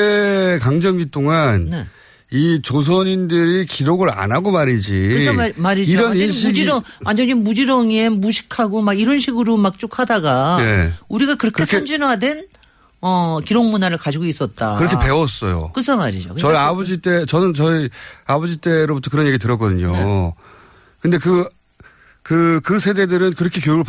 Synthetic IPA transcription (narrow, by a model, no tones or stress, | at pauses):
ekaŋd͡ʑʌŋit͈oŋanne̞ | it͡ɕos̬ʰʌɲindɯɾikiɾoɡɯɾa̰naɡomaɾid͡ʑimaɾiiɾʌnɕʰiud͡ʑiɾʌŋand͡ʑʌɲinmud͡ʑiɾʌŋenmuɕʰi̥kʰaɡomaɡiɾʌnɕʰiɡɯɾomak̚t͡ɕ͈okʰadaɡaeuɾiɡakɯɾʌkʰeskend͡ʑinadwe̞n | ʌkiɾoŋmunaɾɯɭkad͡ʑiɡois͈ʌt̚t͈a̰kɯɾʌkʰepe̞wʌs͈ʌ̰jo̰k͈ɯsʰʌmaɾḭd͡ʑo̰kɯʌiabod͡ʑit͈e̞t͡ɕʌnɯnt͡ɕʌiabʌd͡ʑit͈e̞ɾobutʰʌkɯɾʌnjeɡit̬ɯɾʌk͈ʌdɯɲo̰ | kɯnde̞kɯ | kɯkɯsʰe̞dedɯɾɯnkɯɾʌkʰekjojɯɭ